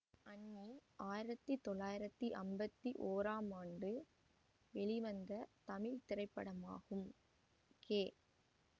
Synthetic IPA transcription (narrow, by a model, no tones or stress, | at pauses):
ɐnːiaːjɪɾɐt̪ːɯt̪ɔɭːaːjɪɾɐt̪ːɯʔɐmbɐt̪ːiʔoːɾaːmaːnɖɯ | ʋɛɭɪʋɐnd̪ɐt̪ɐmɪɻt̪ɪɾɐɪpːɐɽɐma̰ːɣɯm | keː